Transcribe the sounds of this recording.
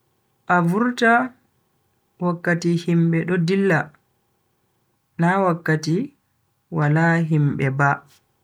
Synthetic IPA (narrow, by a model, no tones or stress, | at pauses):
ʔavuɾta | wakːatihimɓɛɗɔdilːa | nawakːati | walaɦimɓɛba